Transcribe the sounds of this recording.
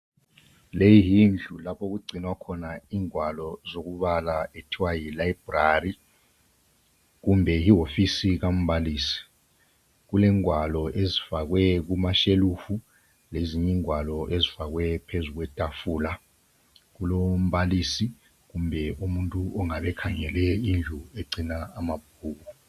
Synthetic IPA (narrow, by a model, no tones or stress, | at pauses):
lejijind͡ɮʱulapʰok̬uɡ͡ǀʱinwakʰɔnaiːŋwalɔzok̬uɓalaetʰiwajilaibrari | k̬umbʱɛjiɦofisik̬am̩baliːsi̥ | k̬ulɛŋwalɔʔezifak̬wɛk̬umaʃelufu | leziɲiŋwalɔʔezifaɣ̬wɛpʰezuɣ̬wɛtʼafuːla | ɣulom̩βalisi | ɣumbʱɛumuntʼuʔɔŋaβɛkʰaŋɛlɛind͡ɮʱueǀinaːmab̥̚ʱuːku